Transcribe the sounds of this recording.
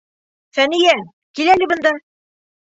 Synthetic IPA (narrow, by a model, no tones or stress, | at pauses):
fænijæ | kilælɘ̆bɤ̆nd̪ɑ